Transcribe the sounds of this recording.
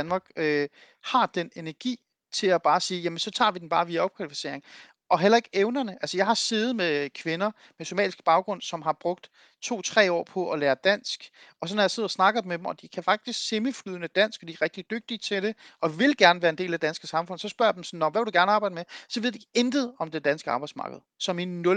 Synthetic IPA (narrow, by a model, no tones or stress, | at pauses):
dænmɑ̈ːɡ̥ø | hɑ̈d̥enenæɐɡ̥ḭː | t͡sʰe̝læb̥ɑ̈ːsiːjæmənsɒ̽t͡sʰɑ̰̈ːʋid̥en̩b̥ɑ̈ːʋiːæɒ̽b̥kʰʋælifi̥se̝̰ɐ̰eŋ | ɒ̽ɦelɐe̝ɡ̥eʊnɐnəʔælsəjɑ̈ɪhɑ̈se̝ːð̞̩ˠmekʰʋe̝nɐ | meso̝mɛ̰ːlisɡ̥b̥ɑ̈ʊɡ̥ʁɔ̽n̰sɒ̽mɦɑ̈b̥ʁɔ̽ɡ̥̚d̥ | t͡sʰo̝̰ːt͡sʰʁɛ̰ːɒ̰ːpʰɒ̽ʔɒ̽læːɐd̥æn̰sɡ̥ɒ̽sɒ̽nːɒjɑ̈se̝ð̰ˠɐsnɑ̈ɡ̥ɐmed̥emɒ̽d̥ikʰæfɑ̈ɡ̥̚d̥isɡ̥seməflyːðˠnəd̥æn̰sɡ̥ɒd̥iæɐʁɛɡ̥̚d̥id̥øɡ̥̚d̥it͡sʰe̝lɾ̥e̝ɒ̽ʋe̝lɡ̥æɐnəʋæːɐende̝̰ːlæd̥ænsɡ̥əsɑ̈mfɔ̽n̰sɒ̽sb̥ɶɐ̰d̥emsɒnːɒ̽mʋæʋeld̥uɡ̥æɐnəɑ̈ːb̥ɑ̈ɪd̥əmesɒ̽ʋeð̰ˠd̥i̥end̥ð̩ˠɒ̽md̥ed̥ænsɡ̥əɑ̈ːb̥ɑ̈ɪ̥smɑ̈ːɡ̥əð̞̩ˠsɒ̽minːɔ